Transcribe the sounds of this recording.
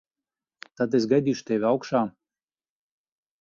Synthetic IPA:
t̪at̪es̬ɡajd̪ʲiːʃu̥t̪ʲɛʋʲawkʃaː

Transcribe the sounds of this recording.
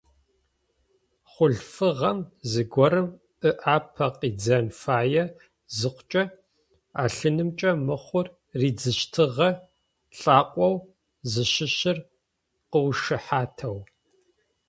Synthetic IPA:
χʷʊɮfɨʁɐmzɨɡʷɔɾɨm | ɨʔaːpʰɐqiːd͡zɐnfaːjɛ | zɨqʷʊt͡ʃʼɐ | a̰ːɬɨnɨmt͡ʃʼɐmɨχʷʊr | riːd͡zɨʃtʰɨʁɐ | ɬʼaːqʷʼɔw | zɨɕɪɕɪr | qəwʃɨħaːtʰɐw

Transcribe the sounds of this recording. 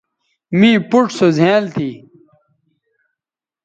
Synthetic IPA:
mĩːpuʈsozʱeːlt̪ʰiː

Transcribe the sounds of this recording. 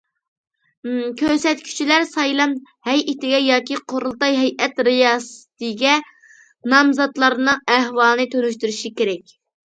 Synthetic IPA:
kʲʰøɾsɛt̪kʲʰy̥t͡ʃʰilæɾsɑjlˠɑm | hɛjʔit̪ɪɡʲɛjɑːkʲiqʰoɾulˠt̪ɑjɦɛjɛt̪ɾɪjɑːsɨ̥t̪ɨɡʲɛ | nɑmzɑt̪lˠɑɾnɨŋæhwɑlˠɨnɨt̪ʰønyʃt̪yɾyʃikʲeɾɛkʲ

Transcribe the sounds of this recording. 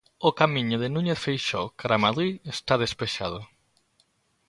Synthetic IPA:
okamiɲʊðenuɲeθfejʃokaɾamaðɾiest̪að̞espeʃað̞o

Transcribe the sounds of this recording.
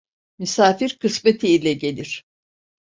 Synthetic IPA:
mysaːfiɾkʰɯsmet̪ʰiilʲɛɟe̞lʲiɾ̥

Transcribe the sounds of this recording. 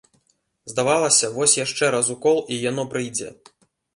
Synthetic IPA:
zd̪avalˠɐsʲɐvɔsʲjaʂt͡ʂɛɾazukɔlˠijan̪ɔpɾɨjd͡zʲɛ̰

